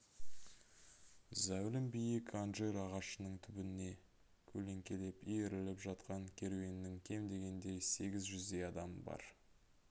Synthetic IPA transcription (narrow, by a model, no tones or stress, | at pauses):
zæwlɪmbijɪkʰanʒeɾɑʁɑʃənəɴt̪ʰʏbɪnɪne̞ | kʲʰɵle̞ŋkʲe̞le̞pijeɾɪlɪpʒɑt̪qɑŋkʲʰe̞ɾuwe̞nɪnɪŋkʲʰe̞md̪e̞ɡʲe̞nd̪e̞jse̞ɡʲɪzʒʏzd̪e̞jɑd̪ɑməbɑ̰ɾ